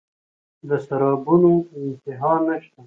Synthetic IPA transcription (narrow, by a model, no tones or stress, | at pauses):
d̪əsaɾɑːbunoɪnt̪ɪɦɑnːaʃt̪a